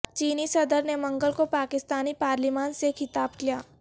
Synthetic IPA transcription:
t͡ʃiːnisɐd̪əɾnemɐ̃ŋɡəlkopaːkɪst̪aːnipaːɾlimaːnsekʰɪt̪aːbkijaː

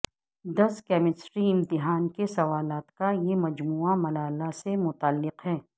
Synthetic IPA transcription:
d̪ɐskɛːmɪsʈɾiɪ̃mt̪ɪɦaːnkesɐʋaːlaːt̪kajemɐd͡ʒmuːamɐlaːlasemʊt̪aːlːɪqɦɛː

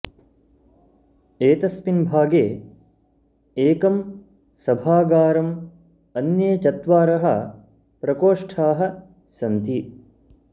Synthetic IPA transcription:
eːt̪ɐspinbʱaːɡeː | eːkɐm | sɐbʱaːɡaːɾɐm | ɐnjeːt͡ʃɐt̪ʋaːɾɐɦɐ̰ | pɾɐkoːʂʈʰaːɦɐ̆ | sɐnt̪i

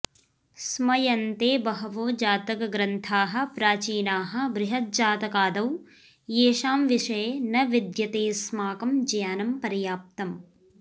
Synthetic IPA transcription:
smɐjɐnt̪eːbɐɦɐʋoːd͡ʒaːt̪ɐkɐɡɾɐnt̪ʰaːɦɐ̆pɾaːt͡ʃiːnaːɦɐ̆bɾɪɦɐt̪̚d͡ʒaːt̪ɐkaːd̪ɐw | jeːʃaːmʋiʂɐjenɐʋid̪jɐt̪eːsmaːkɐmd͡ʒɐjaːnɐmpɐɾjaːp̚t̪ɐm

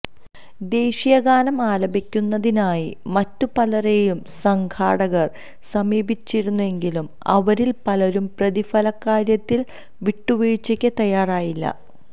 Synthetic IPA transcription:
d̪e̞ːɕijɐɡaːnɐmaːlɐbʱikʲːunːɐðinaːjimɐtːupɐlɐrejumsɐŋkʰa̰ːɽɐɣɐr | sɐmiːbit͡ɕːiɾunːue̞ŋɡilum | ɐ̰ʋɐɾilpɐlɐɾumprɐðifɐlɐkːaːɾjɐt̪ːil | ʋiʈːuʋiːɻt͡ɕːɐkʲːet̪ɐjaːraːjilːɐ̰

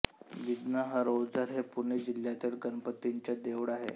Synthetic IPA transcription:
did̪naɦəɾod͡zʱəɾɦepuɳed͡ʑiljat̪ilɡənpət̪ːiɲt͡ɕjad̪eʋɽaɦḛ

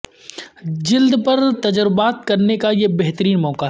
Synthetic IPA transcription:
d͡ʒɪld̪pɐɾt̪ɐd͡ʒɾbaːt̪̚kɐɾnekajebɛɦt̪əɾiːnmɔːka

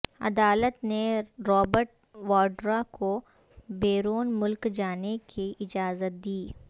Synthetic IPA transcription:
ɐ̰d̪aːlət̪neɾɔːbəɾʈ̚ | ʋɔːɖɾakʰo | beːɾoːnmʊlkd͡ʒaːnekʰiʔɪd͡ʒaːzət̪̚d̪iː

